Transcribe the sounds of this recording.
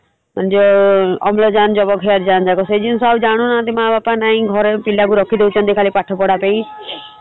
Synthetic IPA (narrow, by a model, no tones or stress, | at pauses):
mand͡ʒɔɔmlɔd͡ʒand͡ʒɔbɔkɦeaɾd͡ʒand͡ʒaɡɔsed͡ʒinsɔabd͡ʒaɽ̃unat̪imabapanaĩɡʱɔɾepilakuɾɔkʰid̪eut͡ʃʰɔnt̪ikʰalipaʈʰɔpɔɽapẽĩ